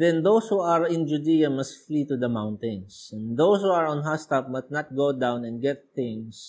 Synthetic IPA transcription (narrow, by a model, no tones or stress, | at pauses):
d̪ɛ̃nd̪owshuɐɹɪ̃nd͡ʒʊd̪ijɐmɐst̪fliːt̪ud̪ɐmãwnt̪ɛ̃nsɛ̃nd̪owshuɐɹɔ̃nɦast̪ap̚mɐt̪nat̪̚ɡowd̪ãwnɛ̃nd̚ɡɛt̪̚θɪ̃ŋs